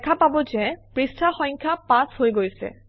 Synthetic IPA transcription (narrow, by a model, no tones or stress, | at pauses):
ɛkʰapabɔzɛpɹistʰaxɔ̃jŋkʰapashojɡojsɛ̰